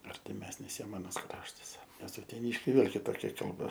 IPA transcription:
ɐrʲtʲɪˈmʲæːsʲnʲɪs ˈjiɛm ɐˈnɐs ˈkrɑːʃtɐs nʲɛs ʊtʲɛˈnʲiːʃʲkʲɛɪ ˈʋʲeːlˠ kʲɪˈtoːkʲɛ kɐlˠˈbɐ

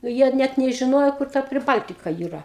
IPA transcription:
ˈjiɛ ˈnʲæt nʲɛʒʲɪˈnoːjoː kʊr ˈtɐ pʲrʲɪˈbɐlʲtʲɪkɐ iːˈrɐ

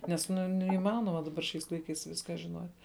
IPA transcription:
nʲɛs ˈnʊ nʲɛɪˈmɑːnoːmɐ ˈdɑːbɐr ʃʲɛɪs ˈlˠɐɪˌkɐɪs ˈʋʲɪskɑː ʒʲɪnoːtʲ

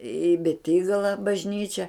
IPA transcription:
ɪ bʲɛˈtʲiːɡɐlˠɐ bɐʒʲˈnʲiːt͡ʃʲɛ

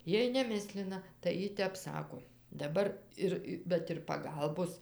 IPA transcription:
ˈjiɛj nʲɛˈmʲɪsʲlʲɪnɐ tɐɪ ˈjɪ ˈtʲɛp ˈsɑːkoː dɐˈbɐr ˈɪr ˈbʲɛt ɪr pɐˈɡɐlˠboːs

